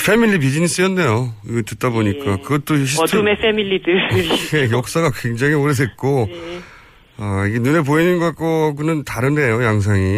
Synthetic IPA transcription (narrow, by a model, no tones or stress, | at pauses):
fʰe̞milːip̬id͡ʑinis͈ɯjʌnːe̞joiɡetɯt̚t͈aboɲik͈akɯɡʌt͈oɕʰitʰumefemilːidɯejʌk̚s͈aɡakwe̞ŋd͡ʑaŋioɾes̬wet̚k͈o | ʌiɡe̞nune̞p̬oinɯnɡoak̚k͈oaɡunɯntaɾɯnde̞jojaŋs̬ʰaŋi